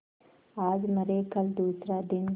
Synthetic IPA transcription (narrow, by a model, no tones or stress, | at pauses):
aːd͡ʒmɐɾeːkɐld̪uːsɾaːd̪in